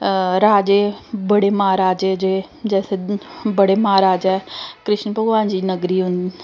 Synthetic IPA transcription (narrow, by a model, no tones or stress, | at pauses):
ɾaːd͡ʒeːbəɽeːmaːɾaːd͡ʒeːd͡ʒeː | d͡ʒɛːsebəɽeːməɦaːɾaːd͡ʒɛkɾɪʃnəpəɡʋaːnd͡ʒiːnəɡɾiːʊn